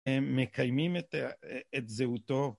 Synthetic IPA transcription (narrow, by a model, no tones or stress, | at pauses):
eːekajmimetet̪zeut̪o̞